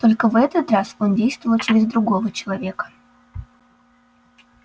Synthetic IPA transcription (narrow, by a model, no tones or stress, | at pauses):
t̪o̞lʲkəvɛt̪ət̪raso̞ndʲejst̪vəvəlˠt͡ɕɪɾʲɪzd̪ɾʊɡo̞vət͡ɕɪlˠɐvʲe̞kə̥